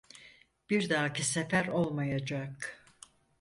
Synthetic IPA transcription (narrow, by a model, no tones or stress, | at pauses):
b̥iɾd̪aːcʰisefæɾo̞lˠmajad͡ʒak